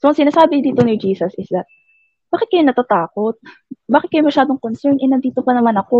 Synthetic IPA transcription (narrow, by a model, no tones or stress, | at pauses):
soʔɐŋsɪnaːsaːbɪɲd̪iːt̪o̞nɪd͡ʒiːsɐsɪsd̪ɐt̪̚ | baːkɪt̪̚kɐjonɐt̪at̪aːko̞t̪̚ | baːkɪt̪̚kɐjomɐʃaːd̪oŋkonsɛɹnʔɛnɐnd̪iːt̪o̞pɐnɐmanɐko̞